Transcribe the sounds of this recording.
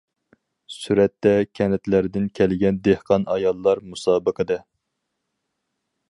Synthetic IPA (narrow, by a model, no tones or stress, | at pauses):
syɾɛt̪ːɛkʲʰɛnɛt̪læɾɪd̪ɪnkʲʰælɡʲɛnd̪ehqɑnɑjɑlˠːɑɾmusɑːbəqʰəd̪ɨ